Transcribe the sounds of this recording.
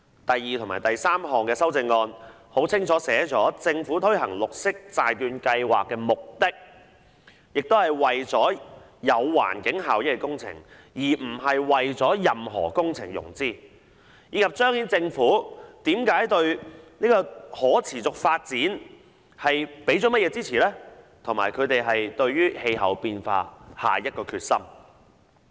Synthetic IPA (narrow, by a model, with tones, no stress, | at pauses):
t̪ɐ˨jːiː˨t̪ʰʊ˨ŋma̰ː˨˩jt̪ɐ˨jsaː˥mhɔː˨ŋkɛː˧sɐ˥wt͡sɪ˧ŋːɔː˧n | ho˨˥wt͡sʰɪ˥ŋt͡sʰɔː˨˥sɛː˨˥t͡sɔː˨˥t͡sɪ˧ŋfuː˨˥t̪ʰɵ˥ɥɦɐ̰˨˩ŋlʊ˨k̚sɪ˥k̚t͡saː˨jt̪yː˧nkɐ˧jwa̰ː˨kːɛː˧mʊ˨k̚t̪ɪ˥k̚ | jɪ˨k̚t̪o˥whɐ˨jwɐ˨jt͡sɔː˨˥ | jɐ˨˧wwa̰ː˨˩nkɪ˨˥ŋɦaː˨wjɐ˥kːɛ˧kʊ˥ŋt͡sʰɪ̰˨˩ŋ | jiː˨˩m̩˨˩ɦɐ˨jwɐ˨jt͡sɔː˨˥jɐ˨mɦɔ̰ː˨˩kʊ˥ŋt͡sʰɪ̰˨˩ŋjʊ̰˨˩ŋt͡siː˥ | jiː˨˧kʰɐ˨p̚t͡ʃœː˥ŋhiː˨˥nt͡sɪ˧ŋfuː˨˥t̪iː˨˥mkaː˨˥jt̪ɵ˧ɥniː˥kɔː˧hɔː˨˥t͡sʰiː˨˩t͡sʊ˨k̚faː˧t̚t͡siː˨˥n | hɐ˨jpe˨˥jt͡sɔ˨˥mɐ˥t̚jɛː˨˧t͡siː˥t͡sʰiː˨˩lɛː˥ | t̪ʰʊ˨˩ŋmaː˨˩jkʰɵ˨˧t̪e˨jɦɐ˨jt̪ɵ˧ɥɥyː˥he˧jɦɐ̰˨˥˩wpiː˧nfa̰ː˧ha̰ː˨jɐ˥t̚kɔː˧kʰyː˧t̚sɐ˥m